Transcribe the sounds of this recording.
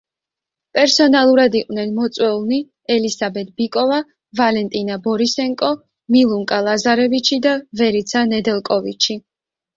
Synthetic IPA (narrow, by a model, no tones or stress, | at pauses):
pʼɛɾsɔnalˠuɾad̪iqʼwvnɛnmɔt̪sʼwɛlˠni | ɛlisabɛt̪̚ʰbikʼɔva | valɛnt̪ʼinabɔɾisɛŋkʼɔ | milˠuŋkʼalˠazaɾɛvit͡ʃʰid̪avɛɾit̪sʰanɛd̪ɛlˠkʼɔvḭt͡ʃʰi